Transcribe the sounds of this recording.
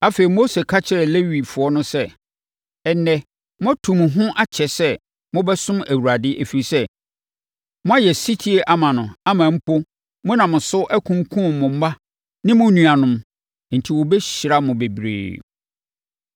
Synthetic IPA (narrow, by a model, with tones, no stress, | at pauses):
a˦fe˨i˨mo˦se˨kʰa˦t͡ɕʰɪ˦ɾɛ˨le˦ɥi˨fʊ˨˦ɔ˦nʊ̃˦sɛ˦ | ɛ˨nːɛ˦ | mʊ̃˦a˦tʰũ˨m˨ɦʊ̃˦ʔa˦t͡ɕʰɛ˨sɛ˦ | mʊ̃˦bɛ˦sʊ̃˦mæ˨wu˨ɾa˨dɪ˦ʔe˨fi˨ɾi˨sɛ˦ | mʊ̃˦a˦jɛ˨si˦tʰi˦e˨ʔa˦mã˨nʊ̃˨a˦mã˨m̩˦pʰo˦ | mʊ̃˦nã˨mʊ̃˨sʊ˦ʔæ˦kʰũ˦ŋkʰũ˦˨mʊ̃˨m̩˦ma˦ | nɪ̃˦mʊ̃˦nũ˨a˨nʊ̃˨m˨ | n̩˨tʰi˨wɔ˨bɛ˦ɕɾa˦mʊ̃˨be˨bɾḛː˨